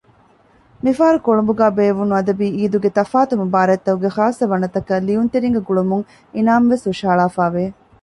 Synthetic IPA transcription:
mifaːɾukoɭumbuɡæːbeːʋunuɐd̪ɐbiːiːd̪uɡet̪ɐfaːt̪umɐbaːɾɐt̪ːɐuɡexaːsːɐʋɐnɐt̪ɐkɐliunt̪eɾiŋɡeɡuɭumuŋ | inaːmʋesuʃaːɭaːfaːʋeː

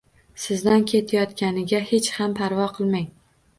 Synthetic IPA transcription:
sɪzd̪ankʲʰe̞t̪ʰajɒt̪kʲanɪɡʲahe̞t͡ʃhampʰaɾvɒqʰɨlˠmaj

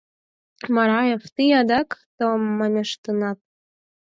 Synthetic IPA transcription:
mɑɾɑjeft̪ijɑd̪ɑkt̪omːɑmʲeʃt̪ənɑt̪̚

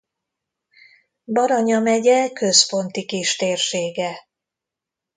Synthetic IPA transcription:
bɒɾɒɲɒmɛɟɛkø̞spo̞nt̪ikiʃt̪eːrʃeːɡɛ

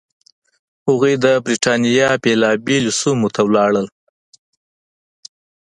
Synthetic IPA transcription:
hʊɣed̪əbɾiʈɑnijɑpelɑbilusumot̪ʰawlɑɽəl

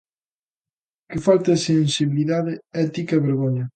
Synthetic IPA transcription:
kɪfalt̪esensiβiliðaðɪɛt̪ikɐeβeɾɣoɲɐ

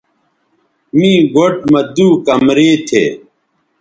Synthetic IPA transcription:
mĩːɡoʈ̚mɐd̪uːkɐmɾeːt̪ʰḛː

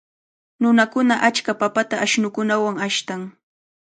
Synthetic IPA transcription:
nʊnakʊnaʔat͡ʃkapapat̪aʔːʃnʊkʊnawaŋaʃt̪aŋ

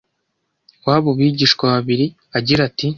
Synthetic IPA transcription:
waːβuβiːɟiːʃkwaβaβiɾi | aɟiɾati

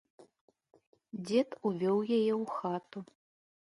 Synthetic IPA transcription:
d͡zʲɛt̪uvʲɔwjajɛwxat̪u

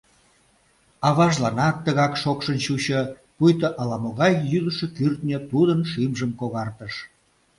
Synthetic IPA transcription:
ɑβɑʒlɑnɑt̪ːəɣɑkʃokʃənt͡ɕuɕə | pujt̪əʔɑlɑmoɣɑjːyd̪əʃekyrt̪nʲet̪ud̪ənʃimʒəmkoɣɑrt̪əʃ

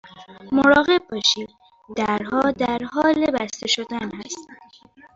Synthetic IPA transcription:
moɾɒːɣe̞b̚ːɒːʃiːd̪̚ | d̪̥æɾɦɒːd̪æɾɦɒːlebæst̪eʃod̪ænhæst̪

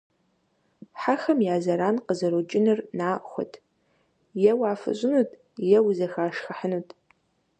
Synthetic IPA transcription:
ħaxɐmjaːzɐɾaːnqəzɐɾot͡ʃʼɪnɨrnaːʔχʷʊ̰tʰ | jɛwaːfɨ̰ɕʷʼɪnuːtʰʼ | jɛwzɐxaːʃxɐħənuːtʰʼ

